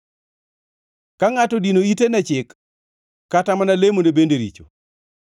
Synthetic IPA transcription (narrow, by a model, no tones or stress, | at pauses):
kaŋatɔdinoitenɛt͡ʃɪkː | atamanalemondebendeɾḭt͡ʃo̰